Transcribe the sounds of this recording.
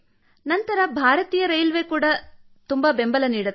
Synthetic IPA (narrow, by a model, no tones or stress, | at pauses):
nɐnt̪ɐɾɐbʱaːɾɐt̪iːjɐɾɐjlʋeːkuːɽɐ | t̪umbɐbembɐlɐniːɽɐt̪ː